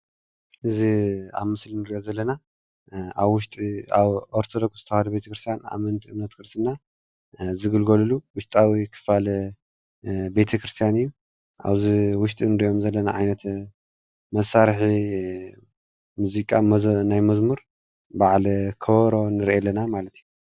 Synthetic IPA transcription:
ʔɨzia̰βmɨslinɨɾiʔo̞zɐlːɐna | aβwʊʃt̪ʼiaβʔoɾt̪ʰod̪ok̚sz̥ɨt̪ʰɐhad̪ube̞t̪ʰɐkɾɨst̪ʰjana̰mɐnt̪ʰiʔɨmnɐt̪kʰɨɾsɨnːa | zɨɡɨlɡoluluwʊʃt̪ʼawikʰɨ̥falɐ | be̞t̪ʰɐkɾɨst̪ʰijanɨjːu | ʔa̰βziwʊʃt̪ʼinɨɾiʔo̞mzɐlːɐna̰ʕajnɐt̪ | mɐsaɾħi | muzikʼamnajmɐzmuɾ | baʕlkʰɐβɾo̞nɨɾʔelːɐnamalɐt̪ʰiju

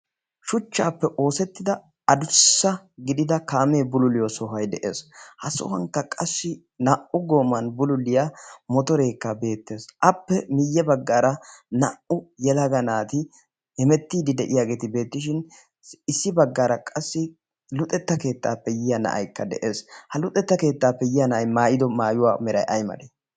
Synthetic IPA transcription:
ʃʊt͡ʃːaːpːɛʔo̞ːsɛt̪ːɪd̪ɐ | ɐd̪ʊsːɐɡɪd̪ɪd̪ɐkaːme̞ːbʊlʊlɪjosɔɦɐjd̪ɛʔe̞̰ːshɐsʊ̰hɐŋkːɐkʼɐsːɪ | nɐʔʊɡo̞ːmːɐnbʊlʊlɪjamɔt̪ɔɾe̞ːkːɐbe̞ːt̪ːe̞ːsʔɐpːɛmɪjːɛbɐɡːaːɾɐnɐʔʔʊjɛlɐɡɐnaːt̪ɪ | hɛmɛt̪ːiːd̪ɪd̪ɛʔɪjaːɡe̞ːt̪ɪbe̞ːt̪ːɪʃɪn | ɪsːɪbɐɡːaːɾɐkʼɐsːɪ | lʊt̪ʼːɛt̪ːɐke̞ːt̪ːa̰ːpːɛjɪjɐnɐ̰ʔɐ̰jkːɐd̪ɛ̰ʔeːshɐlʊt̪ʼɛt̪ːɐke̞ːt̪ːaːpːɛjɪjɐnɐʔɐjmaːjɪd̪ɔmaːjʊwaːmɛɾɐjʔɐjmɐ̰d̪eː

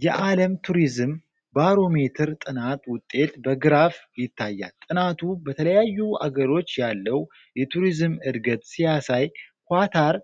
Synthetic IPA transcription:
jɛʔaləmt̪ʰuɾizɨm | baɾo̞me̞t̪ʰɨɾt̪ʼɨnat̪wʊt̪ʼːe̞t̪bəɡɨɾafjɪt̪ʰːajːa̰lt̪ʼɨnat̪ʰubət̪ʰələjajːua̰ɡəɾo̞t͡ʃːjalːəw | jɛt̪ʰuɾizɨmɨd̪ɡət̪sijasajkʷat̪ʰaɾ

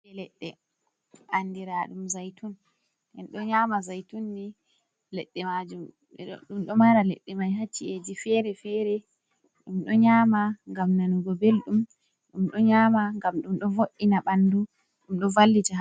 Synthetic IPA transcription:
ɛlɛɗːɛ | ʔandiɾaɗumzajtun | ʔɛnɗɔɲaːmazajtunːi | lɛɗːɛmad͡ʒum | ɗumɗɔmaɾalɛ̰ɗːɛmajɦat͡ʃːied͡ʒifɛɾɛfɛɾɛ | ɗumɗɔɲamaŋɡamnanuɡɔbelɗum | ɗumɗɔɲamaŋɡamɗumɗɔvoʔːinaɓandu | ɗumɗɔvalːid͡ʒa

